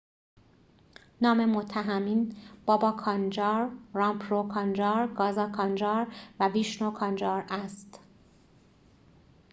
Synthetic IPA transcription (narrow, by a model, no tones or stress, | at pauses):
nɒːme̞mot̪ʰːæɦæmiːnb̥ɒːbɒːkʰɒnd͡ʒɒːɾɾɒmpʰɾokʰɒnd͡ʒɒːɾɡɒːzɒːkʰɒnd͡ʒɒːɾvæviʃnokʰɒnd͡ʒɒːɾæst̪